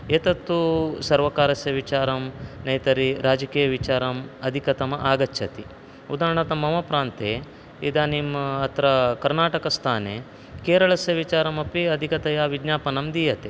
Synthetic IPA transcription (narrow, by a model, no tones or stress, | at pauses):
et̪ɐt̪ːusɐɾʋɐkaːɾɐsjɐʋit͡ʃaːɾɐmnɐjt̪ɐɾiɾʔaːd͡ʒɐkiːjɐʋit͡ʃaːɾɐmɐd̪ʱikɐt̪ɐmɐʔaːɡɐtːt͡ʃʰʃʰɐt̪i | ud̪aːɾɐɳɐt̪ɐmːɐmɐpɾaːnt̪e | id̪ɐnimɐːt̪ɾɐkɐɾnaːʈɐkɐst̪ʰaːnḛ | keːɾɐɭɐsjɐʋit͡ʃaːɾɐmɐpiɐd̪ʱikɐt̪ɐjaʋiɡɲaːpɐnɐmd̪iːjɐt̪e